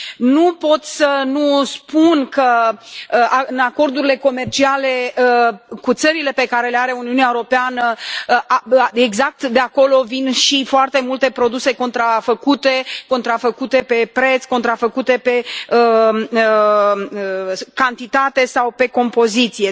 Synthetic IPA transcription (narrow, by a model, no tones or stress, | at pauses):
nupo̞t̪sʲsənuspunkə | aɨnako̞rd̪uɾile̞ko̞me̞rt͡ʃiale̞əkut̪səɾile̞pe̞kaɾe̞leaɾe̞uniuneaewuɾo̞peanə | eɡzak̚t̪d̪e̞ako̞lo̞vinʃifoart̪e̞mult̪e̞pɾo̞d̪use̞ko̞nt̪ɾafəkut̪e̞ko̞nt̪ɾafəkut̪e̞pepɾe̞t̪sko̞nt̪ɾafəkut̪e̞pe̞ə | kant̪it̪at̪e̞sawpe̞ko̞mpo̞zit̪sije̞